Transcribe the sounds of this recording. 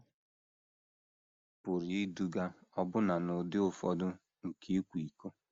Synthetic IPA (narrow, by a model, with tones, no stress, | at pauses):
pʊ˨ɾi˨i˦du˦ɡa˦ɔ˦bʊ˦na˨nʊ˨dɪ˦ʊ˦˨fɔ˦dʊ˦ | ŋ̩˨kʰe˦kʷi˨ko˦